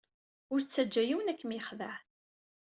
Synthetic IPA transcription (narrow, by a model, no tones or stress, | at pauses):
ʊɾt͡sːæd͡ʒːæjiwənækːəmjəχðəʕ